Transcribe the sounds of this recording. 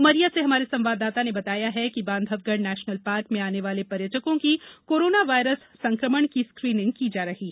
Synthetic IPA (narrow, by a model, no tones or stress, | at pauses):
ʊməɾijaseɦɐmaːɾesɐ̃mʋaːd̪aːt̪anebɐt̪aːjaɦɛkibãːnd̪ʱəʋɡəɖnɛːʃnəlpaːɾkmẽaːneʋaːlepɐɾjətəkõkikoːɾoːnaʋaːɪɾəsːɐ̃ŋkɾəməɳkiskɾiːnɪ̃ŋɡ̚kiːd͡ʒaːɾɐɦiː